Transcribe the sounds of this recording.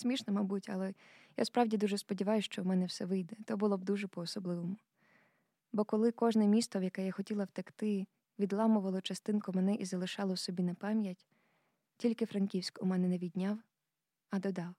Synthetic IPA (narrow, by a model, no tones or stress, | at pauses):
sʲmʲiʃnɔmɐbutʲɐ̰lˠɛ | ja̰spɾɑwdʲid̪uʒɛspɔdʲiʋɑjʊsʃt͡ʃɔmɛnɛwsɛʋɪjd̪ɛt̪ɔbʊlˠɔb̚d̪uʒɛpɔːsɔblˠɪʋɔmʊ | bɔkɔlˠɪkɔʒnɛmʲist̪ɔwjɐkɛjaxɔtʲilˠɐwt̪ɐkt̪ɪ | ʋʲid̪lˠɑmʊʋɐlˠɔt͡ʃɐst̪ɪnkʊmɛnɛʔizɐlˠɪʃɑlˠɔwsɔbʲinɐpɑmʲjɐtʲ | tʲilʲkɪfɾɐnʲkʲiwsʲkʊmɛnɛnɛʋʲidʲnʲaw | ɐd̪ɔd̪ɑw